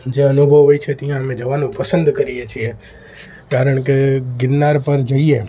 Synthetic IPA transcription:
d͡ʒeɐnubʱəʋʋoit͡ʃʰɛt̪ijãmẽd͡ʒɐʋaːnũpɐsə̃nd̪kɐɾiat͡ʃʰie | kaːɾəɽ̃kɪɡɪɾnaːɾpɐɾd͡ʒɐie

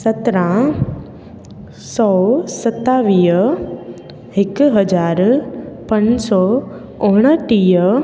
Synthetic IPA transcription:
sɐt̪ɾã | sɔːsɐt̪ːaːʋiːɦə | hɪkɦɐd͡ʑaːɾpɐ̃ɲsɔː | ʊɽ̃əʈiːə

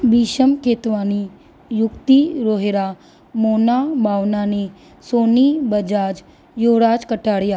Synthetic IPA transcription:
biːʃəmkʰeːt̪ʋaːni | jʊkt̪iɾoːɦeɾa | moːnabʱaːʋnaːni | soːnibəd͡ʒaːd͡ʒ | joːɽaːd͡ʒkəʈaːɽjaː

